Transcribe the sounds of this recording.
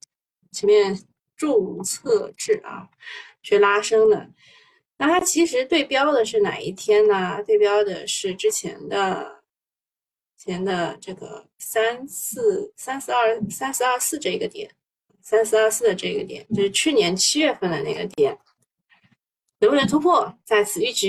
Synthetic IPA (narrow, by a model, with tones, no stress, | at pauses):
t͡ɕʰjɛ˧˥mjɛ˥˧n | ʈ͡ʂu˥˧ŋt͡sʰɤ˥˧ʈ͡ʂɻ̩˥˩ɐ̰˩ | t͡ɕʰɛ˥˩la˥ʂɤ˥ŋd̪ə̰˨˩ | na˥˩t̪ʰa˥t͡ɕʰi˧˥ʂɻ̩˧˥t̪we˥˩ɪpjɑ˥ʊd̪ə˨ʂɻ̩˥˩na̰˨˩i˥˩t̪ʰjɛ˥nə˨t̪we˥˩ɪpjɑ˥ʊd̪ə̰˨ʂɻ̩˥˩ʈ͡ʂɻ̩˥t͡ɕʰjɛ̰˧˥nd̪ə̰˧ | t͡ɕʰjɛ˧˥nd̪ə˧ʈ͡ʂɤ˥˩ɡə̰˩sa˥nsɹ̩˥˩sa˥nsɹ̩˥˧ɐ˞˥˧sa˥nsɹ̩˥˧ɐ˞˥˧sɹ̩˥˧ʈ͡ʂɤ˥˩i˧˥ɡə˧t̪jɛ̰˨˩˦n | sa˥nsɹ̩˥˧˥sɹ̩˥˩d̪ə˩ʈ͡ʂɤ˥˩i˧˥ɡə̰˧t̪jɛ̰˨˩˦nt͡ɕo˥˧ʊʂɻ̩˥˧t͡ɕʰy˥˩njɛ˧˥nt͡ɕʰi˥ɥɛ˥˧fə˥˩nd̪ə̰˩na˥˩ɡə̰˩t̪jɛ˨˩˦n | nə˧˥pu˥˩ə˧˥t̪ʰu˥pʰwɔ˥˩t͡sa˥˩ɪt͡sʰɹ̩˨˩y˥˩ʈ͡ʂɻ̩˧˥